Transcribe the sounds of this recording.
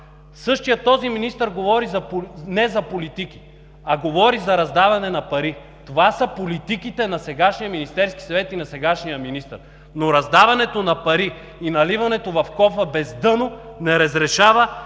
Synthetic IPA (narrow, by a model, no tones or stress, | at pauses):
sɤʃt̪ijət̪ːɔziminist̪əɾɡovɔɾizɐnɛzɐpolit̪ik̟i̥ | ɐɡovɔɾizɐɾɐzd̪avɐnɛnɐpɐɾi | t̪ovasɐpolit̪ikit̪ɛnɐsɛɡaʃnijəminist̪ɛɾski̥sɐvɛt̪inɐsɛɡaʃnijəminist̪əɾ | noɾɐzd̪avɐnɛt̪onɐpɐɾiː | nɐlivɐnɛt̪ovɐfkɔfɐbɛzd̪ɤnonɛɾɐzɾɛʃavə